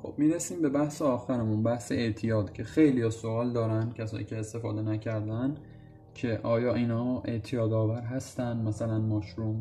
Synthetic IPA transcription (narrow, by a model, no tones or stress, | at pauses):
xo̞̰b̥̚miːɾesiːmbe̞bæhseɒːxæɾemunbæhseeʔt̪ʰijɒːd̪̥cʰe̞xe̞jlijɒːso̞ɒːld̪ɒːɾænd̪̥̚cʰæsɒ̰ːnʔḭːcʰeːst̪e̞fɒːd̪e̞næcʰæɾd̪ænd̪ | cʰe̞ʔɒːjɒːʔiːnhɒːe̞̰ʔt̪ʰijɒːd̪ɒːvæɾɦæst̪ænd̪mæsælænmɒːʃɾum